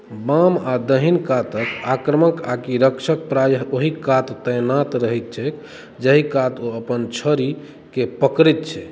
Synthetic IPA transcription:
bamad̪əɦinkat̪əkakɾəməkakiɾəkʃʰək̚pɾajəoɦikat̪ːəjnat̪ɾəɦɛt̪̚t͡ʃʰɛk | d͡ʒəɦikat̪oəpənt͡ʃʰəɾi | kepəkɾit̪̚t͡ʃʰɛ

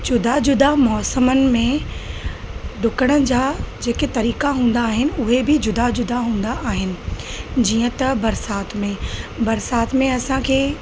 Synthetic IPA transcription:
d͡ʑʊd̪ad͡ʑʊd̪amɔːsəmənɪ̆mẽ | ɖʊkəɽ̃əd͡ʑaːd͡ʑeːket̪ɐɾiːkaɦũːn̆d̪aːɦɪnɪ̆ʊɦebɪd͡ʑʊd̪ad͡ʑʊd̪aɦũːn̆d̪aʔaːɦɪnɪ̆d͡ʑiːə̃t̪ɐbɐɾsaːt̪mẽbɐɾsaːt̪mẽɐsãkʰeː

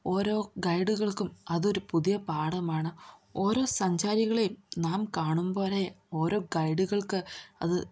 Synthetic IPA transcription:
o̞ːɾo̞ːɡɐjɖuɣɐɭkumɐðo̞ɾupuðijɐpaːɽɐmaːɳɨo̞ːɾo̞ːsɐɲd͡ʑaːɾiɣɐɭejumnaːmkaːɳumboːɾejo̞ːɾo̞ːɡɐjɖuɣɐɭkɨɐ̰ðɨ

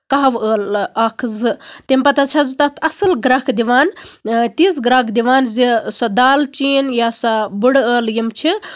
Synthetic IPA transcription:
kaɦʋəːlaːkʰzɨt̪empɐt̪azt͡ʃʰazt̪at̪ʰɐsɨlɡɾakʰd̪iʋaːnt̪iːsɡɾaːkd̪iʋaːnzisad̪aːlt͡ʃiːnjasabuɽəːljimt͡ʃʰi

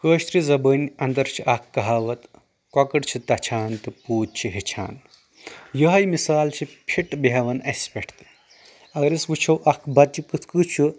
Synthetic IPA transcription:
kəːʃt̪ɾizɐbəːnʲɐnd̪ɐɾt͡ʃʰiʔɐkʰːɐɦaːʋɐt̪ | kɔkɐɽt͡ʃʰit̪ɐt͡ʃʰaːnt̪ɨpuːd̪̚t͡ʃʰiɦit͡ʃʰa̰ːn | jɐɦɐjmisaːlt͡ʃʰipʲʰiʈbiɦɐʋɐnɐspʲeʈʰt̪ɨ̥ | ɐɡɐɾisʋut͡ʃʰɐwʔɐkʰbɐɾt͡ʃikɨt̪ʰkɨt͡ʃʰu

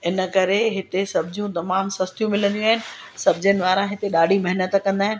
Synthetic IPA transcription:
ɪnəkɐɾeɦɪt̪esɐbʱd͡ʑjũt̪ɐmaːmsɐst̪jũmɪlə̃nd̪ijũaːɦɪnɪ̆ | sɐbʱd͡ʑənɪ̆ʋaːɾãɦɪt̪eɗaːɖ̤ʱimɐɦɪnət̪kɐ̃nd̪aːɦɪnɪ̆

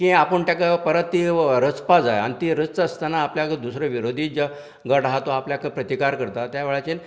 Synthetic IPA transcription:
kĩapəɳʈ̪jakapəɾət̪ːiɾət͡spad͡za̰ja̰ñit̪iɾət͡st͡səst̪anaːpljakd̪usɾəʋiɾod̪ʱiːd͡ʑa | ɡəɽaɦat̪oapljakpɾət̪ikaɾkəɾt̪at̪jaʋeɭat͡ɕen

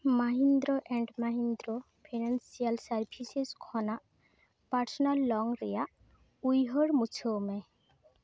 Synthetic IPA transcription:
maɦind̪ɾɔʔɛɳɖmaɦind̪ɾɔ | pʰinansialsaɾpʰiseskʰɔnaʔ | paɾsɔnalːɔŋɾɛjaʔ | ujɦɔɽmut͡ʃʰome

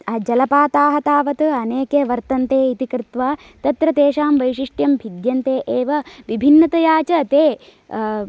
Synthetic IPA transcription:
ɐd͡ʒɐlɐpaːt̪aːɦɐt̪aːʋɐt̪ɐɐneːkeːʋɐɾt̪ɐnt̪eːit̪ikɾɪt̪ʋaː | t̪ɐt̪ɾɐt̪eːʃaːmʋɐjʃiʂʈjɐmbʱid̪jɐnt̪eːʔeːʋɐʋibʱinːɐt̪ɐjaːt͡ʃɐːt̪eː

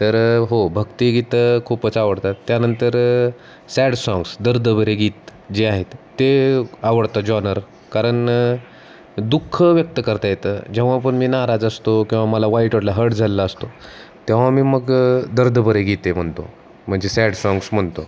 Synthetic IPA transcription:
t̪əɾɦobʱəɡt̪iːɡit̪əkʰupət͡saʋəɽt̪at̪ːjanənt̪əɾ | sæɽsɔ̃ŋɡsd̪əɾd̪əbʱəɾeɡiːt̪d͡ʑeaɦet̪ːeaʋəɽt̪ad͡ʑɔnəɾ | kaɾəɳ | d̪ukʰːəʋjək̚t̪əkəɾt̪ajet̪əːd͡ʑeʋ̤apəɳmiːnaɾad͡zəst̪okĩw̃ʋaməlaʋaiʈʋəʈlaɦəʈd͡zʱalːəəst̪o | t̪eʋamiːməɡd̪əɾd̪əbʱəɾeɡʱit̪em̤əɳt̪o̰ | m̤əɳd͡zesæɽsɔ̃ŋɡsm̤əɳt̪o

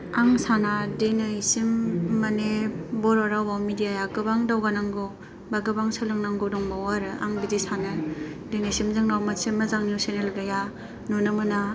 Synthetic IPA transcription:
aŋsanadenasimːanebɔɾoɾawbawmidijajaɡɯbaŋdawɡanaŋɡo | baɡɯbaŋsɯlɯŋnaŋɡɔdɔŋbawaɾɯa̰ŋbizesanɯdenajsimzɯŋnawmasemazaŋniusenelɡaja | nunɯmɯna

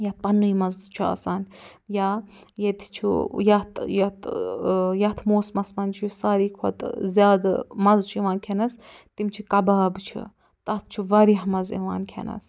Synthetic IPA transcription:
jɐt̪̚pɐnːujmɐzt͡ʃʰua̰saːnjaː | jet̪ʰt͡ʃʰṵjat̪jɐt̪ | jɐt̪ʰmoːsmɐsmɐnt͡ʃʰjusaːɾiːkʰo̰t̪zʲjaːd̪mɐzt͡ʃʰuiʋaːnkʲʰenɐst̪imt͡ʃʰikɐbaːbt͡ʃʰṵ | t̪ɐt̪̚ʰt͡ʃʰuʋaːɾiɦmɐzḭʋa̰ːnkʰḛnɐ̰s

